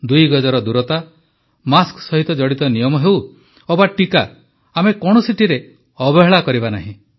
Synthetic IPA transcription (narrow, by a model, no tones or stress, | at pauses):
d̪ujɡɔd͡ʒɔɾɔd̪uɾɔt̪a | masksɔɦit̪ɔd͡ʒɔɽit̪ɔnijɔmɔɦew | obaʈikaː | mekɔɽ̃ɔsiʈiɾe | ɔbɔɦeɭakɔɾibana̰ɦĩ